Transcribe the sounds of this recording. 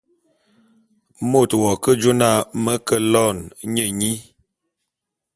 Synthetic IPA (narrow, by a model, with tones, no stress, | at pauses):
mo˦˨twɔ˨kə˦d͡ʒo˦na˦˨mə˦kə˦lɔ˦˨nɲə˨ɲi˦